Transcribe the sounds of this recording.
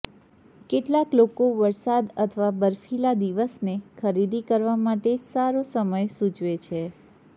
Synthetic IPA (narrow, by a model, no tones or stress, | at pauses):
keʈlaklokoʋəɾsad̪ət̪ʰəʋabəɾfilad̪iʋəsnekʰəɾid̪ikəɾʋamaʈesaɾosəməjsũt͡ʃʋet͡ʃʰe